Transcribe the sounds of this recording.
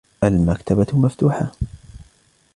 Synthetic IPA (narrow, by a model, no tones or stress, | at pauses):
ʔalmakt̪abamaft̪uːħa